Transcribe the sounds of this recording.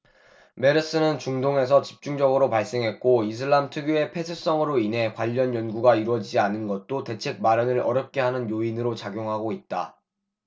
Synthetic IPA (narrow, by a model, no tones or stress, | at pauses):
me̞ɾɯs͈ɯnɯnt͡ɕuŋdoŋɦe̞s̬ʰʌt͡ɕi̥p̚t͡ɕ͈uŋd͡ʑʌɡɯɾopaɭs͈e̞ŋɦe̞t̚k͈ois̬ʰɯɭːamtʰɯɡjue̞pʰe̞sʰus͈ʌŋɯɾoinɦe̞kwaʎːʌnjʌnɡuɡaiɾwʌd͡ʑid͡ʑianɯnɡʌt̚t͈ote̞t͡ɕʰe̞k̚maɾjʌnɯɾʌɾjʌp̚k͈e̞ɦanɯnjoinɯɾot͡ɕaɡjoŋɦaɡoit̚t͈a